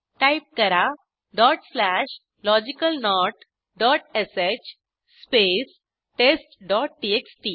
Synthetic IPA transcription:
ʈaip̚kəɾa | ɖɔːʈslæʃ | lɔd͡ʑikəlnɔʈ | ɖɔʈeset͡ɕ | spes | ʈesʈɖɔʈ̚ʈieksʈi

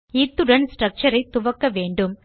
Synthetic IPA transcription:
iːt̪ːuɽɐnsʈrɐk̚t͡ʃɐɾɐɪt̪ːuʋɐkːɐʋeːɳɖum

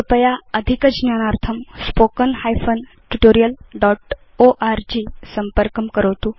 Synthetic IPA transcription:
əpəjaəd̪ʱikəd͡ʑnjanaɾt̪ʰəmspokənhajfən | ʈuʈoɾijəlɖɔʈ | oʔaɾd͡ʑisəmpəɾkəmkəɾəʋt̪u

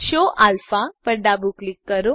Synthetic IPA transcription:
ɕoʔʔalfapəɾɖabuklikːəɾo

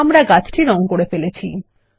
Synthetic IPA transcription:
mɾaɡat͡ɕʰʈʰiɾɔŋkoɽefelet͡ɕʰi

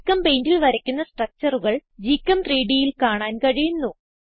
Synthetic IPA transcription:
kːɐmpejndilʋɐɾɐkʲːunːɐsʈrɐk̚t͡ɕɐruɣɐɭd͡ʑiːkːɐmt̪riːɖijilkaːɳaːnkɐɻijunːu

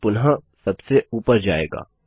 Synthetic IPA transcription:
pʊnɦãsɐbseuːpəɾd͡ʒa̰ːḛːɡa̰ː

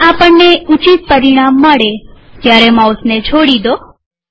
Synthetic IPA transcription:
apəɳːeut͡ʃit̪̚pəɾiɽ̃amːəɽet̪jaɾemasnet͡ʃʰoɽid̪o

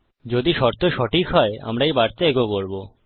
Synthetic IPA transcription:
d͡ʑod̪iʃɔɾt̪oʃɔʈʰikɦɔea̰mɾaejbaɾt̪aeɡoboɾbo

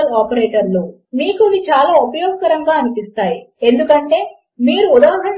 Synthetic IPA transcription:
ɐlaːpɐɾe̞ːʈɐɾlo̞ː | miːkuiʋit͡ʃaːlaːupɐjɔːɡkɐɾɐŋɡaːɐnipist̪aːjie̞nd̪ukɐɳʈe̞ː | miːɾuud̪aːɦɐ

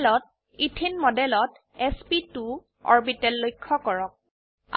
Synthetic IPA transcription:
lɔt̚ | itʰinmɔdɛlɔt | ɛspitu | ɔ̰ɹbitɛlːojkʰːɔkɔɹɔk̚ | a

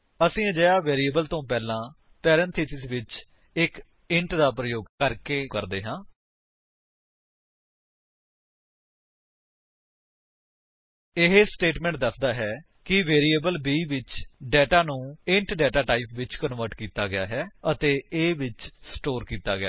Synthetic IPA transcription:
əsĩːd͡ʒəjaːʋeːɾiːəbəlt̪õːpɛːlãː | pɛːɾɛ̃nt̪ʰiːsɪsʋɪt͡ʃ | ɪk | ɪ̃ɳʈd̪aːpɾəjoːɡkəɾkeːkəɾd̪eːɦãː | ɪɦsʈeːʈmɛ̃ːɳʈ̚d̪əsd̪aːɦɛː | kɪʋeːɾiːəbəlbiːʋɪt͡ʃɖɛːʈaːnũːɪ̃ɳʈɖɛːʈaːʈaːipʋɪt͡ʃkənʋəɾʈkiːt̪aːɡɪjaːɦɛːət̪eːeːʋɪt͡ʃsʈoːɾkiːt̪a̰ːɡɪja̰ː

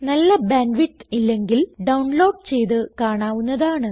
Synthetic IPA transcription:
nɐlːɐbaːnʋiʈːilːe̞ŋɡilɖɐwuɳlo̞ːɖ̚t͡ɕe̞jt̪ɨkaːɳaːʋunːɐðaːɳɨ

